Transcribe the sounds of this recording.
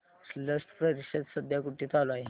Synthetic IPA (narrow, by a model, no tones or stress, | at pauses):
sləsʈ̪pɾəɾised̪səd̪ʱjakuʈːit̪alai